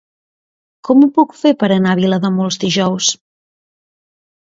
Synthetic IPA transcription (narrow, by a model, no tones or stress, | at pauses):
kɔmupukfepəɾənaβiləðəmolˠzðiʒɔws